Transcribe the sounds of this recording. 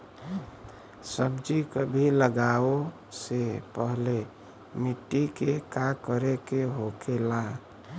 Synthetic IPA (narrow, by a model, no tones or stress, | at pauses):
səbd͡ʒikəbʱiləɡao | sepəɦle | miʈːikekakəɾekeɦokela